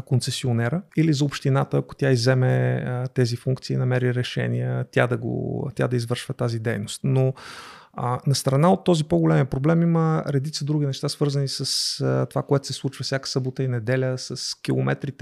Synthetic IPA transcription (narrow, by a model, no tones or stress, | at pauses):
kontsɛsionɛɾəilizɐopʃt̪inat̪əːko̥t̪ʲaizɛmɛt̪ɛzifuŋkt̪siːnɐmɛɾiɾɛʃɛ̰nḭət̪ʲad̪ɐɡo̰t̪ʲja̰d̪ɐizvɤɾʃvət̪azid̪ɛjnost̪no | ənɐst̪ɾɐnaot̪ːɔzipoɡolɛmiəpɾoblɛmiməɾɛd̪it̪səd̪ɾuɡʲinɛʃt̪asv̥ɤɾzənisəst̪ovakoɛt̪ʊ̥sɛslˠut͡ʃvəfsʲjakə̥səbot̪əinɛd̪ɛlʲəsəskʲilˠomɛ̰t̪ɾit̪